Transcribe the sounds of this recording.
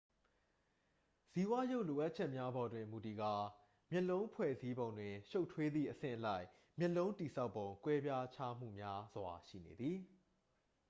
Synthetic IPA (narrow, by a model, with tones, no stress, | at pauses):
si˦˨wa˦jo˦ʊʔlo˨ʔa˦ʔ̚t͡ɕʰɛ˦ʔmja˦bɔ˨dwɪ̃˨mu˨ti˨ɡa˨ | mjɛ˦ʔlõ˦ʊ̃pʰwɛ̰˦˨zi˦bõ˨ʊ̃ndwɪ̃˨ʃo˦ʊʔtʰwe˦d̪ðḭ˦˨ʔəsɪ̰̃˦˨ʔəla˦ɪʔ | mjɛ˦ʔlõ˦ʊ̃nti˨sa˦ʊpːõ˨ʊ̃ŋkwɛ˦bja˦t͡ɕʰa˦m̥ṵ˦˨mja˦zwa˨ʃḭ˦˨nḛ˨d̪ði˨